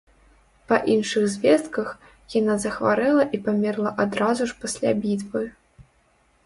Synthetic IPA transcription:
pɐʔinʂɨɣzʲvʲɛst̪kɐx | janazɐxvaɾɛlˠɐʔipamʲɛrlˠɐʔad̪ɾazuʂpasʲlʲa̰bʲit̪vɨ

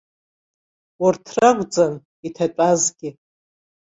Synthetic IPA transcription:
ʊrtʰrakʷʼd͡zan | itʰaʈ͡ʂʷʼazɡʲɪ

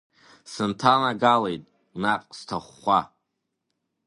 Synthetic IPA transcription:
sɨntʰanaɡalejtʼ | naqʼstʰaχʷːa

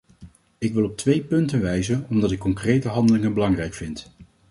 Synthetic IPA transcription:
ɪkʋɪlˠɔp̚tʋejpɵntənʋɛjzənɔmdɑtɪkːɔŋkrejtəɦɑndəlɪŋənbəlɑŋrɛjkfɪnt

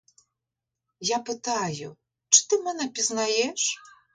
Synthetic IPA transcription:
japɨt̪ajṵ | t͡ʂɨ̥t̪ɨmɛnɐpʲiznajɛʂ

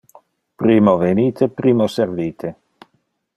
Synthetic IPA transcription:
pɾiːmoveniːt̪ʰepɾiːmoserviːt̪ʰe

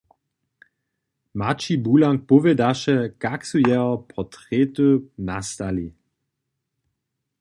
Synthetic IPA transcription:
mat͡ʃibuːlaŋk̚pɔvɛdaʃɛkaksujɛɔpɔtʁet̪unast̪ali

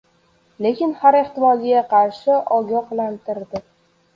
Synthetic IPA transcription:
le̞kʲɪnhaɾe̞ht̪ɪmɒzɪɡʲaqʰɑɾʃɪʔɒɡʲɒhlant̪ʰɪɾd̪ɪ

